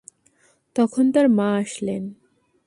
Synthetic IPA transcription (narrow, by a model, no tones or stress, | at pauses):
t̪ɔkʰont̪aɾmãaʃlen